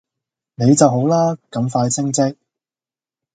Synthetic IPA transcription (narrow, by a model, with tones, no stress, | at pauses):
ne˨˧jt͡sɐ˨wɦo˨˥wlaː˥kɐ˨˧˥mfaː˧jt͡sʰɪ˥ŋt͡sɪ˥k̚